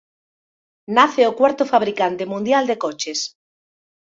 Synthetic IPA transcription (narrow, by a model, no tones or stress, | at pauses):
naθeokwaɾt̪ofaβ̞ɾikant̪emũnd̪jald̪ekot͡ʃes